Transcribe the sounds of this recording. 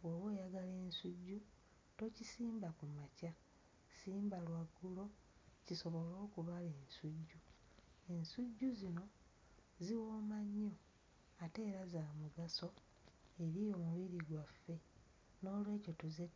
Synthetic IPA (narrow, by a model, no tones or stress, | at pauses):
oβwe̞ːjaɡale̞ːnsuɟːu | to̞cisiːmbakumaca | siːmbalwaɡːulo̞ | ciso̞βo̞lo̞ːkuβale̞ːnsuɟːu | e̞nsuɟːuzino̞ | ziwo̞ːmaɲːo̞ | ate̞ːɾazaːmuɡaso̞ | eɾijo̞ːmuβiɾiɡwafːe̞ | no̞ːlwe̞ːco̞tuze